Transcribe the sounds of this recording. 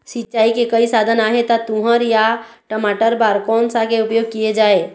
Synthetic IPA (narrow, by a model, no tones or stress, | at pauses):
sɪt͡ʃaːikekəisaːd̪ʱənaːɦet̪at̪uɦəɾjaʈəmaːʈəɾbaɾkɔːnsakeʊpjoːɡ̚kijed͡ʒaːe